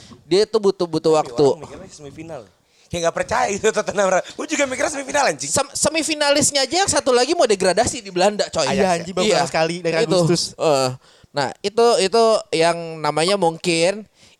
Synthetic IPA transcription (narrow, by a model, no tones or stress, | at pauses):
diait̪ubut̪ubut̪uwakt̪uasəmifinal | kajaŋɡapərt͡ʃajait̪ut̪ot̪ənamɾaud͡ʒuɡamikiɾasəmifinalaɲt͡ʃisəmsəmifinalɪsɲaːd͡ʒaaŋsat̪ulaɡimodeɡɾadasidibəlandat͡ʃojajaɦad͡ʒibaijsəkalidakaɡut̪ust̪ʊsə | na̰hit̪uit̪ujaŋnamaɲamuŋkɪn